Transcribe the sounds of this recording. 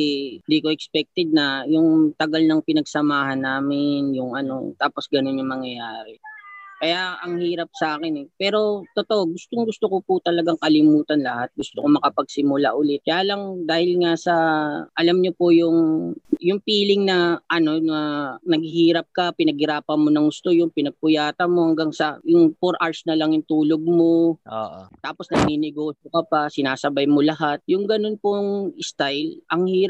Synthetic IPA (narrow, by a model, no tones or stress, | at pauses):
nd̪iko̞ʔɛkspɛk̚t̪ɛd̪̚nɐjʊŋt̪ɐɡalnɐŋpɪnɐɡsɐmaːɦɐnːaːmɪnjʊŋʔɐno̞̰t̪aːpo̞sɡɐno̞njʊŋmɐŋjɐjaːɾɛkɐjaʔɐŋhiːɾɐp̚sɐʔaːkɪnɛpɛːɾo̞t̪ot̪o̞ʔoɡʊst̪oŋɡʊst̪okopʊt̪ɐlɐɡaŋkɐlɪmuːt̪ɐnlɐhat̪̚ɡʊst̪okomɐkɐpɐɡ̚sɪmʊlaʔʊlɪt̪̚kɐjaːlɐŋd̪aːhɪlŋasɐʔɐlamɲopojʊŋjʊŋpiːlɪŋnɐʔɐno̞nɐnɐɡɪhiːɾɐp̚kɐpɪnɐɡ̚hɪɾaːpɐnmonɐŋɡʊst̪o̞jʊŋpɪnɐɡ̚pʊjaːt̪ɐnmo̞hɐŋɡaŋsɐjʊŋfoɾʔaɹsnɐlɐŋjʊŋt̪uːloɡ̚mo̞ʔo̰ːʔo̰t̪aːpo̞snɐɡ̚ninɛɡoːʃokɐpɐsɪnaːsɐbajmolɐɦat̪̚jʊŋɡɐno̞npoŋɪst̪ajlʔɐŋhiːɾ